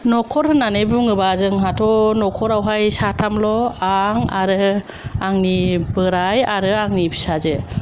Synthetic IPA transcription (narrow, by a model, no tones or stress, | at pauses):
nɔkʰɔɾhɯnanebuŋɯbazɯŋɦatʰɔnɔkʰɔɾawɦajsatʰamlɔaŋa̰ɾɯ | aŋnibɯɾajaɾɯaŋnibisaze